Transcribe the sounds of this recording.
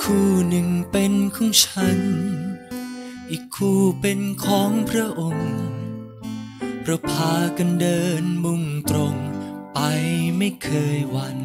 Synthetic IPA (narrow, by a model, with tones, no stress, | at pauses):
kʰuː˧˩nɯ˨˩ŋpe˧nkʰɔː˧˥ŋt͡ɕʰa˦˥n | ʔiː˨˩kʰːuː˧˩pe˧nkʰɔː˨˦ŋpʰɾa˦˥ʔo˧ŋ | pʰɾa˦˥wpʰaː˧ka˧ndɤː˧nmu˧˩ŋt̪ɾo˧ŋpa˧jma˥˩jkʰɤː˧jwa˧˥n